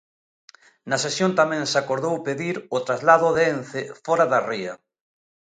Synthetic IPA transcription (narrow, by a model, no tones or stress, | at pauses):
nasesjont̪amɛ̃ŋsakoɾðowpeðiɾot̪ɾazlaðʊðenθefɔɾaðariɐ